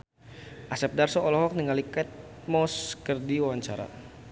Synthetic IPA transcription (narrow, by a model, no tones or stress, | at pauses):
ʔasɛp̚darsɔɔlɔɦɔk̚niŋalikɛt̪̚mɔskərdiwawaɲt͡ʃaɾa̰